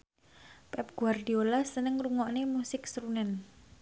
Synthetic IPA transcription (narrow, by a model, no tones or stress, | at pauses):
pɛp̚ɡ̥uard̪iolasənəŋruŋɔʔnemusɪk̚sɾunɛn